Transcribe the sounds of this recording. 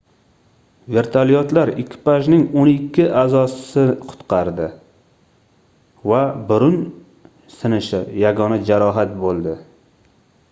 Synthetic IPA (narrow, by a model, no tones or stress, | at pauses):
ve̞ɾt̪ʰalijɒt̪laɾɪkʲʰːɪ̥paʒnɪŋonɪkʲːɪʔazɒsɪqʰʊ̥t̪qɑɾd̪ɪ | vabʊɾʊn | sɪnɪʃɪjaɡɒnad͡ʒaɾɒɦat̪̚bolˠd̪ɪ